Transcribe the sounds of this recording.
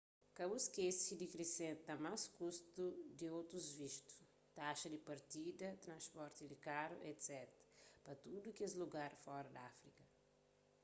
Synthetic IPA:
kɐbuskesid̪ikɾesẽnt̪ɐmaskust̪ud̪iowt̪ɾuzviʃt̪u̥ | t̪aʃɐd̪ipɐɾt̪id̪ɐt̪ɾɐ̃spɔɾt̪id̪ikaɾṵʔet̪sɛt̪ɐpɐt̪ud̪ukezluɡaɾfɔɾɐd̪ɐafɾikɐ

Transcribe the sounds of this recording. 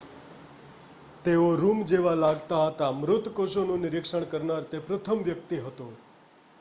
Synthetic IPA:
t̪eoɾumd͡ʒeʋalaɡt̪aɦət̪amɾʊt̪koʃonũnɪɾɪkʂəɳkəɾnaɾt̪epɾət̪ʰəmʋjək̚t̪iɦət̪o

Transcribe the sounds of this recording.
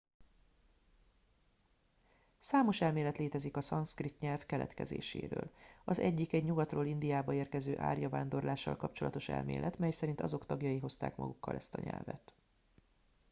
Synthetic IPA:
saːmo̞ʃɛlmeːlɛt̪leːt̪ɛzikɒsɒnskrit̪ɲɛlvkɛlɛ̰t̪kɛzḛːʃḛːɾø̰ːlɒzɛɟːikɛɟɲuɡɒt̪roːlind̪ijaːbɒeːrkɛzøːʔa̰ːrjɒvaːnd̪o̞rlaːʃːɒ̰lkɒpt͡ʃo̞lɒt̪o̞ʃɛ̰lmḛːlʔɛt̪mɛjsɛɾint̪ɒzo̞kt̪ɒɡjɒjiɦo̞st̪a̰ːkmɒ̰ɡukːɒ̰lʔɛst̪ɒɲɛ̰lvɛ̰t̪

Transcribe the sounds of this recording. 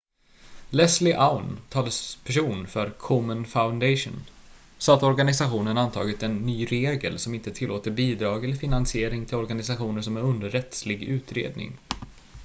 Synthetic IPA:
lɛslɪʔaʊnt̪ʰɑːləspʰæʂuːnfœɾkʰɔmənfaʊnd̪ɛʂʊ̰ːn | sɑt̪ɔɾɡanɪsaɧuːnənant̪ʰɑ̰ːɡɪt̪ɛnːyːɾeːɡə̰lsɔmɪnt̪ət̪ʰɪlːoːt̪əɾbiːd̪ɾɑːɡɛlːəɾfɪnansɪeːɾɪŋt̪ʰɪlɔɾɡanɪsaɧuːnəʂɔmæɾɵnd̪əɾːɛt̪slɪɡʉ̟ːt̪ɾḛːd̪nɪ̰ŋ

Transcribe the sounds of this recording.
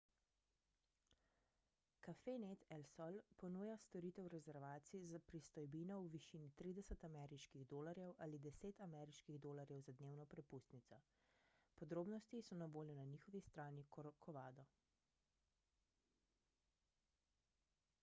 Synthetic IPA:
kafenet̪ɛlsɔlpɔnuːjast̪ɔɾit̪ɛwɾɛzɛɾʋaːt̪sizapɾist̪ɔjbinɔwʋiʃiːnit̪ɾiːd̪ɛsət̪amɛɾiʃkiɣd̪oːlaɾjɛwʔaːlid̪ɛseːt̪amɛɾiʃkiɣd̪oːlaɾjɛwzad̪neːwnɔpɾɛpust̪nit̪ɔ | pɔd̪ɾoːbnɔst̪isɔnaboːljɔnaniːxɔʋist̪ɾaːnikkʰɔʋaːd̪ɔ

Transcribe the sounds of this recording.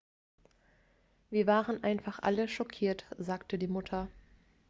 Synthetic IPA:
viːɐvaːʁənʔaɪnfaχʔa̰ləʃɔkʰiːɐtz̥aːktədiːmʊtʰɐ

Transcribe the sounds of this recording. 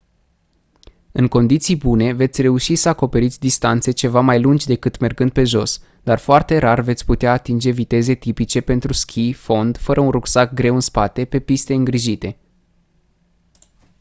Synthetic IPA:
ɨŋko̞nd̪it̪sijbune̞ve̞t̪sʲre̞uʃisəako̞pe̞ɾit̪sʲd̪ist̪ant̪se̞t͡ʃe̞vamajlund͡ʒʲd̪e̞kɨt̪me̞rɡɨnd̪̚pe̞ʒo̞s | d̪̥arfoart̪e̞ɾarve̞t̪sʲput̪eaːt̪ind͡ʒe̞vit̪e̞ze̞t̪ipit͡ʃe̞pe̞nt̪ɾuskʲʰifo̞nd̪fəɾəunruksak̚ɡɾe̞wɨnspat̪e̞pe̞pist̪e̞ɨŋɡɾiʒit̪e̞

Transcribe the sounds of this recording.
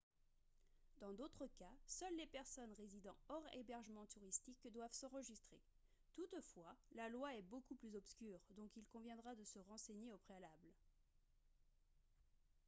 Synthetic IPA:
d̪ɑ̃d̪ot̪χəkasœlːepɛʁsɔnʁezid̪ɑ̃ɔʁḛbɛʁʒəmɑ̃t̪uʁist̪ikd̪wavsɑ̃ʁəʒist̪χe | t̪ut̪fwalalwaɛbokuplyzɔpskʲyːʁd̪ɔ̃kilkɔ̃vjɛ̃d̪ʁad̪əsəʁɑ̃seɲeopχealabl

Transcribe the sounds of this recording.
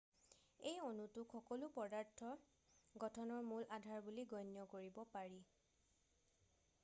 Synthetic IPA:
ejonutʊxɔkɔlʊpɔdaɹtʰːɔ | ɡɔtʰɔnɔɹmulʔadʱaɹbuliɡɔjnjɔkoɹibɔpaɹi

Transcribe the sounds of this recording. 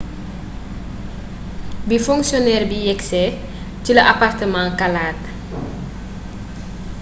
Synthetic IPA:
bifɔŋksjonɛːrbijɛksɛ | ciləʔapartəmãŋkalaːt

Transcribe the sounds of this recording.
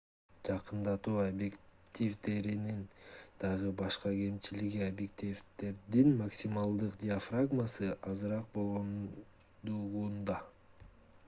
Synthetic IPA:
d͡ʒɑqɯnd̪ɑt̪uːabjekt̪ʲivd̪e̞ɾinind̪̥ɑʁɯbɑʃqɑke̞mt͡ʃiliɡiabjekt̪ʲivt̪e̞ɾd̪inmaksʲimalˠd̪ɯqd̪ʲɪafraɡmasɯʔɑzɯɾɑq̚bo̞lˠʁon | d̪uʁund̪ɑ

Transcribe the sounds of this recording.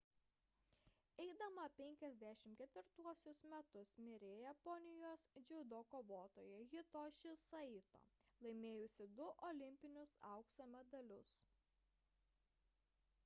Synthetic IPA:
ɛɪd̪ɐmɐpʲɛŋʲkʲɛzʲd̪ʲæʃʲɪmkʲɛt̪ʲʋʲɪɾt̪uɔsʲʊsmʲɛt̪ʊsmʲɪɾʲeːjɛpɔnʲɪjoːsd͡ʒʲɛʊd̪oːkoːʋoːt̪o̰ːjɛɣʲɪt̪oːʃʲɪsɐɪt̪o̰ːlˠɐɪmʲeːjʊsʲɪd̪ʊʔɔlʲɪmʲpʲɪnʲʊsɐˑʊksɐmʲɛd̪ɐlʲʊs

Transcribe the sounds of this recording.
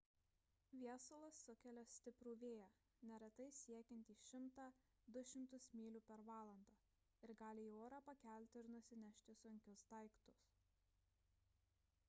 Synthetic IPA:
ʋʲiɛsolˠɐsːʊkʲɛlʲɛsʲt̪ʲɪpɾuːʋʲeːjɛ | nʲɛɾʲɛt̪ɐɪsʲiɛkʲɛnʲt̪ʲiːʃʲɪmt̪ɑ | d̪ʊʃʲɪmt̪ʊsmʲiːlʲuːpʲɛɾʋɑːlˠɐnd̪ɑː | ɪɾɡɑːlʲɪːoːɾɑpɐkʲæˑlʲt̪ʲɪɪɾnʊsʲɪnʲɛʃʲt̪ʲɪsʊŋʲkʲʊsd̪ɐˑɪkt̪ʊs

